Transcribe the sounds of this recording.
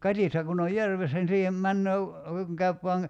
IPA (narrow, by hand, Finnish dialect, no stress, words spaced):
kɑtihtɑ kun oj jærʋesːæ ni siːhem mænːøː kuŋ kæyp ʋoɑŋ